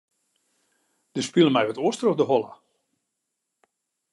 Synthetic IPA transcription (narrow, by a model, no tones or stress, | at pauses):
d̥əspilˠəmɛjʋətoəstərodəɦɔla